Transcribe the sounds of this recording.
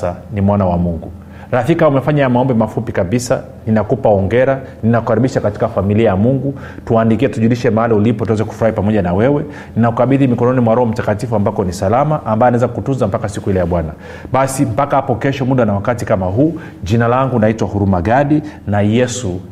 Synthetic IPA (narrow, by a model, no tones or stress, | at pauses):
animwanawamuŋɡu | ɾaθikaumɛfaɲajamaɔmbɛmafupikaɓisa | ninakupaɔŋɡɛɾa | ninakuhaɾiɓiʃakati̥kafamiliajamuŋɡu | tuaːndikiɛtuʄuliʃɛmahaliulipɔtuwɛzɛku̥fuɾahipamɔʄanawɛwɛ | ninaukaɓiðimikɔnɔnimwaɾɔɔm̩takatifuambakɔnisalamaʔːmbaɛanaɛzakutunzam̩pakasikuilɛjaɓwana | ɓasim̩pakahapɔkɛʃɔmuɗanawakatikamaɦuː | ʄinalaŋɡunaitwahuɾumaɠaɗinajɛsu